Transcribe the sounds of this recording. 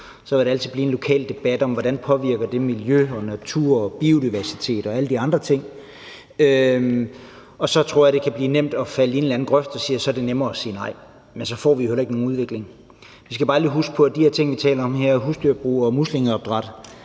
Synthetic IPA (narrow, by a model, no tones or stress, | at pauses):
sɒʋeɾeæl̰t͡sʰið̩ˠb̥liːenlo̝kʰɛ̰ːld̥e̝b̥æd̥ɒ̽mʋɒɾænpʰɒ̽ʋiɐ̰ɡ̥ɐd̥e̝miljøɒ̽næt͡sʰṵɐ̰ɒb̥io̝diʋæɐsi̥t͡sʰe̝̰ːd̥ɒ̽æləd̥iɑ̈nd̥ʁɐt͡sʰe̝ŋ̰ | ø | ɒ̽sɒ̽t͡sʰʁo̝ɐ̰jäd̥e̝kʰæb̥liːnem̰d̥ɒ̽fæləe̝nlæn̩ɡ̥ʁœfd̥ɒ̽siːɐsɒ̽ɐd̥e̝nemɐːɒsiːnɑ̈ɪ̰ | mensɒ̽fɒ̰ːʋijohelɐʁeɡ̥no̝ːnuð̞ˠʋe̝ɡ̥le̝ŋ | ʋisɡ̥æb̥ɑ̈ːlḭːɦusɡ̥̚pʰɒ̽æd̥iheɐ̰t͡sʰe̝ŋ̰ʋit͡sʰɛ̰ːlɐɒ̽mɦeɐ̰ɦusd̥yɐ̰b̥ʁṵːɒ̽musleŋ̩ˠɒb̥̚d̥ʁɑ̈d̥